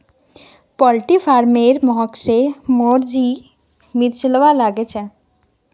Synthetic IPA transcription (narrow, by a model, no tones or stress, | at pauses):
pɔlʈifʰaːɾmeːɾmɔɦɔksemoːɾd͡ʒi | miɾt͡ʃələʋalaːɡet͡ʃʰɛ̃